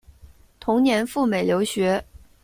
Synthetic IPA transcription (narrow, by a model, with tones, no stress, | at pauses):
t̪ʰʊ˧˥ŋnjɛ˧˥nfu˥˩me˨˩ljo˧˥ʊɕɥɛ˧˥